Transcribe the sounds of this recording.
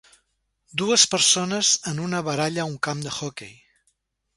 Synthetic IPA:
d̪uəspəɾsonəzənunəβəɾaʎəuŋkamd̪əxɔkḛj

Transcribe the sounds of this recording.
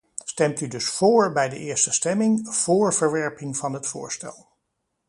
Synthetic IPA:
stɛmtydɵsfoːɹbɛjdə̰ʔɪːɹstəstɛmɪŋv̥oːɹv̥əɹʋɛɹpɪŋvɑnɦətfʊ̰ːɹstɛ̰lˠ

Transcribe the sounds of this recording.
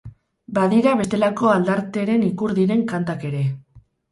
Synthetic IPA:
baðiɾaβe̞st̪e̞lako̞ald̪aɾt̪e̞ɾe̞nikuɾðiɾe̞ŋkant̪ake̞ɾe̞

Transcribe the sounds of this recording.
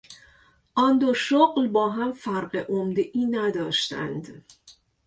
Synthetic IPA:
ʔɒnd̪oʃoɢlbɒːɦæmfæɾɢeʔomd̪eʔiːnæd̪ɒːʃt̪æ̰nd̪

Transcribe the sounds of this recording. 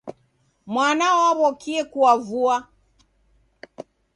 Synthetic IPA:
mwanaɔaβɔkiɛkuwavua

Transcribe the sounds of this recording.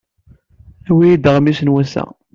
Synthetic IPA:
æwijid̪əʁmisənwæsæ̰

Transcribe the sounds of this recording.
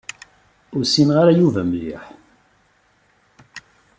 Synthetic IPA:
ʊɾsinʁaɾajuvæmlḭħ

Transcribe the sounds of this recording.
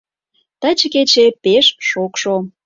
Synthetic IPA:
t̪at͡ɕəket͡ɕepeʃʃokʃo

